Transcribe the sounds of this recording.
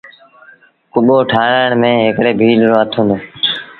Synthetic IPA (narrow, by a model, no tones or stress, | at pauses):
kʊɓoːʈʰaːɾaːɳmẽːɦɪkɽeːbʱiːlɾoːət̪ʰoːneː